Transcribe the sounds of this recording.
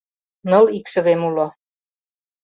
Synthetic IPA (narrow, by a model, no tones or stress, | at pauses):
nɤ̆likʃə̆βemulo